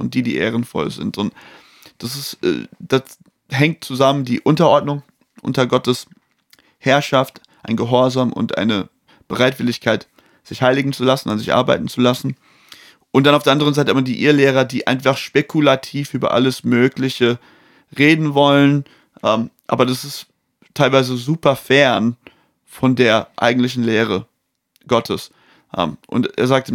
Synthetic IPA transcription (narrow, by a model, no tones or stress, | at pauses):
ʊnt̚d̥iːdḭːʔḛːʁənfɔ̰lzɪ̰ntʊnt | d̥as̬ɪsɛ̰ːd̥as | ɦɛŋtt͡suzaməndiːʔʊntɐʔɔɐdnʊŋ | ʔʊ̰ntɐɡɔtəs | hɛɐʃaft | ʔaɪnɡəɦɔɐzaːmʔʊ̰ntʔa̰ɪnə | b̥əʁaɪtv̥ɪlɪçkʰaɪt | z̥ɪçhaɪlɪɡŋ̩t͡sulasn̩anzɪçʔa̰ɐba̰ɪtn̩t͡sulasn̩ | ʔʊnt̚d̥anaʊfd̥eːɐʔandəʁənzaɪtəamɐdiːʔiːɐleːʁ̞ɐdiːʔa̰ɪnfaχʃpekʰulatʰiːfʔyːbɐ̰ʔa̰ləsmøːklɪçə | ʁeːdn̩vɔlən | ʔɛːmʔa̰ːbɐdasɪst | tʰːaɪlvaɪzəzuːpɐfɛɐn | fɔndeːɐʔa̰ɪɡŋ̩tlɪçn̩leːʁ̞ə | ɡ̥ɔtʰəs | ʔɛ̰ːmʔʊ̰ntḛːɐzaːk̚tə